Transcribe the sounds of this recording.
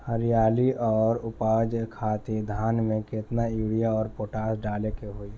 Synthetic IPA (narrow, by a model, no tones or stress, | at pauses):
həɾjaːliʔɔːɾʊpaːd͡ʒkʰaːt̪ed̪ʱaːnmẽkɪt̪najuːɽijaɔːɾpoːʈaːsɖaːlekeɦoːi